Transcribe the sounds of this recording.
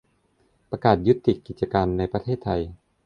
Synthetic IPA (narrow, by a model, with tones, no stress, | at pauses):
pɾa˧kaː˨˩t̪̚ju˦˥t̪ːi˨˩kːi˨˩t̪̚t͡ɕa˧kaː˧nːa˧jpɾa˧t̪ʰeː˥˩t̪ʰːa˧j